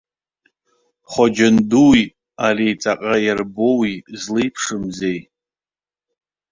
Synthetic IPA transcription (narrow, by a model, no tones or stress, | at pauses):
χʷad͡ʒanduwj | arijt͡sʼaqʼajarbo̞wizlɨjpʰʂɨmzej